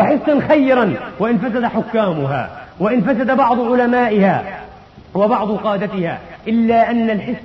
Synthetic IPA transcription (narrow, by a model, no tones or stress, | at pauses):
ħɪsːanxajːɾanwɪʔɪnfasad̪aħʊkːaːmʊɦa̰ːwɪʔɪnfasad̪abɑʕd̪ˤʊʕʊlamaːʔɪhaː | wabɑʕd̪ˤʊqɑːd̪at̪ɪha̰ːʔɪlːaːʔanːalħɪs